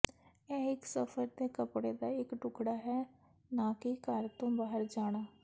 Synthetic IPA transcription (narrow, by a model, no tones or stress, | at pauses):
ɛ̃ːɪksəfʰəɾt̪eːkəpɽed̪aːɪkʈʊkɽaːɦɛː | naːkikaɾt̪õbaːɦəɾd͡ʒaːɽ̃aː